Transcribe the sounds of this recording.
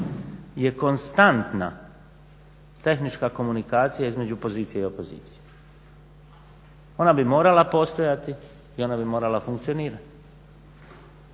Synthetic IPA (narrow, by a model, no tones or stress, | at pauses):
je̞ko̞nst̪ant̪na̰ | t̪e̞xnit͡ʃkako̞munikaːt̪sijaizme̞d͡ʑuopo̞ziːt̪sije̞iopo̞zḭːt̪sije | o̞nabimo̞ːɾalapo̞ːst̪o̞jat̪i | io̞nabimo̞ːɾalafuŋkt̪sio̞niːɾat̪i̥